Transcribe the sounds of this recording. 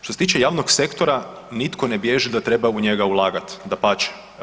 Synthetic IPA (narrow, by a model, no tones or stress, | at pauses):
ʃt̪oset̪iːt͡ʃejaːʋnoksekt̪oɾa | nit̪kʰo̞ne̞bjeʒid̪at̪ɾe̞bauɲeɡaulˠaːɡat̪d̪apaːt͡ʃe̥